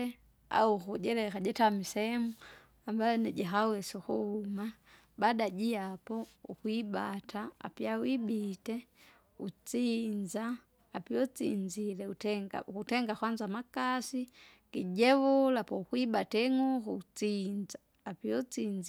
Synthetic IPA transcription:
a̰ukuɟɛlɛkaɟɛtamisɛmu | ambaɔnɛɟaɦawɛsɔkuhuma | badaɟiapɔṵkwibatʰaa̰piawibitɛ | ut͡sind͡ʒaː | piɔt͡sind͡ʒilɛutɛŋɡa̰kutɛŋɡakwand͡ʒamakasi | kiɟɛvulapɔukwibatɛŋukuut͡sind͡ʒaː | piɔt͡sind͡ʒ

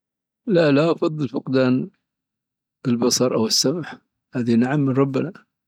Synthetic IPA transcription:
laʔlaʔɑfɑðˤːɨlfʊqd̪aːn | ɪlbɑsˤɑɾˤʔawɪsːamħ | haːðanaʕamːənɾˤɑbːana

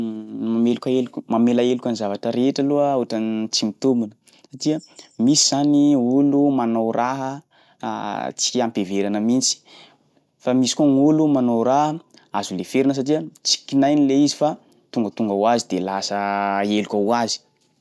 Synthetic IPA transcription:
mamelukʲaelukʲumamelaelukʲanizavaʈ͡ʂəɾeʈ͡ʂəluoʈ͡ʂant͡simit̪umbunə | satiəmisiz̥aniulumanowɾʔaɦə̰ | t͡si̥ampeveɾanəmint͡si̥ | famisi̥kuaŋulumanowɾaɦə | azulefeɾinəs̬aʈ͡ʂiət͡si̥kinajnileizifa | t̪uŋɡət̪uŋɡawazid̪elasəelukʲawazi̥

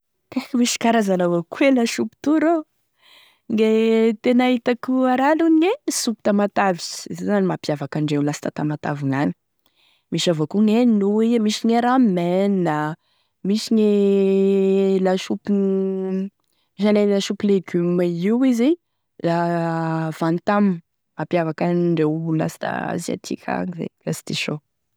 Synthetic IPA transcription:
kakimiʃi̥kaɾazalavokuelaʃupu̥t̪uɾo | ŋɡet̪enaɦit̪akuaɾalunɲesupi̥t̪amat̪aviszezanimapjavakaɳɖ͡ʐeulasit̪at̪amat̪aviŋani̥ | miʃavokuŋennuimiʃiɲeɾamena | misiɲe | laʃupi | miʃalelaʃupileɡymaiwizi | la | v̥ant̪am | mapjavakaɳɖ͡ʐewla̰si̥t̪a̰sia̰t̪ʰḭkʰʲa̰ŋizḛlasi̥t̪iʃo

